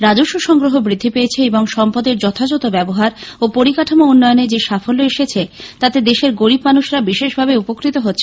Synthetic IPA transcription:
ɾad͡ʑoʃuʃɔŋɡɾoɦobɾid̪ʱːipeet͡ɕʰeeboŋʃɔmpad̪eɾd͡ʑɔt̪ʰad͡ʑɔt̪obɛboɦaɾopoɾikaʈʰomounːɔjoned͡ʑeʃafolːoeʃet͡ɕʰet̪at̪ed̪eʃeɾɡoɾibmanuʃɾabiʃeʃbʱabeupokɾit̪oɦotːɕʰe

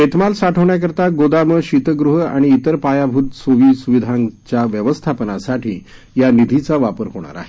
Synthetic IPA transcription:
et̪malsaʈʰəʋɳjak̬əɾt̪aɡod̪aməɕit̪əɡɾuɦa̰ɽ̃iːt̪əɾpajabʱut̪soʋiːsuʋid̪ʱãŋt͡ɕjaʋjəʋəst̪ʰapənasaʈʰiː | janid̪ʱit͡saʋapəɾɦoɽ̃a̰ɾa̰ɦe

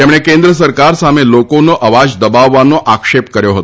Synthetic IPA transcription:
teməɭ̃ekend̪ɾəs̬əɾkaɾsamelokonːoʔəʋad͡ʑd̪əbaʋːanːoʔakʂepkəɾjoɦot̪o

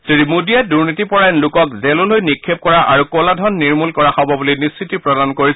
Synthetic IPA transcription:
sedimudijɛduɹnitipɔɹajnlʊkɔkzelʊlojnikʰːep̚kɔɹaʔaɹukoladʱɔnːiɹmulkɔɹaxɔbɔbulinisːitipɹɔdankoɹisɛ

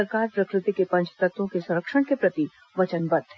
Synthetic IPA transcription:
əɾkaːɾpɾɐkɾɪt̪ikepɐ̃nt͡ʃʰt̪ɐt̪õkesɐ̃ɾəkʃəɽ̃kepɾɐt̪i | ʋɐt͡ʃənbɐd̪ʱɦ

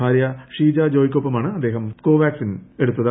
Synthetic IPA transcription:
aːɾjɐʂiːd͡ʑaːd͡ʑoːjikʲːoːpːɐmaːɳɨɐd̪ːe̞ːɦɐmko̞ːʋʲaːksine̞ɽut̪ːɐðɐ

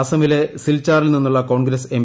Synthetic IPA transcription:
sɐmilesilt͡ɕːaːrilninːuɭːɐko̞ːɳɡɾɐsem

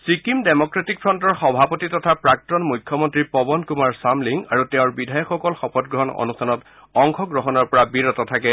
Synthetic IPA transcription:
sɹikimdemɔkɹetik̚pʰɹɔntɔɹxɔbʱapɔtitɔtʰapɹak̚tɔnmujkʰjɔmɔntɹipɔbɔnkumaɹsamliŋaɹutɛʊ̃ɹbidʱajɔkʰːɔkɔlxɔpɔt̚ɡɹɔɦɔnɔ̰nustʰanɔt | ɔŋkʰɔɡɹɔɦɔnɔɹpɔɹabiɹɔtɔtʰakɛ

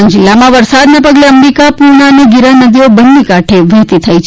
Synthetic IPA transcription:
nd͡ʒɪlːamãʋəɾsad̪nepəɡleəmɾikapuɾɳ̃aniɡiɾanəd̪ʱiobənːikaʈʰeʋət̪it̪ʰəit͡ʃʰ

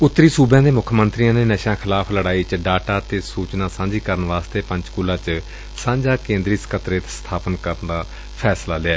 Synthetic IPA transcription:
ʊt̪ːɾiːsuːbjãːd̪eːmʊkʰmənt̪ɾijãːneːnəʃãːkʰɪlaːpʰləɽaːiːt͡ʃɖaːʈaːt̪eːsuːt͡ʃnãːsãːɲd͡ʒiːkəɾənʋaːst̪eːpə̃ɲd͡ʒkuːlãːt͡ʃ | sãːɲd͡ʒaːkẽːnd̪ɾiːsə̥kʰət̪ɾeːt̪st̪ʰaːpənkəɾənd̪aː | pʰɛːslaːlɪaː

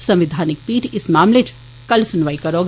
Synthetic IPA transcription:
sɐ̃mʋɪd̪ʱaːnɪk̚piːʈɪsmaːmleːt͡ʃ | kɐlsʊnʋaːikɐɾoːɡ

